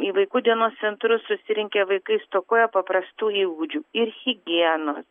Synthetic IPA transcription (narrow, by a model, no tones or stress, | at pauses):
iːʋɐɪkuːd̪ʲiɛnoːst̪sʲɛnt̪ɾʊsːʊsʲɪɾʲɪŋʲkʲeʋɐɪkɐɪst̪oːkuːjɛpɐpɾɐst̪uːiːɡud͡ʒʲuːɪɾɣʲɪɡʲiɛnoːs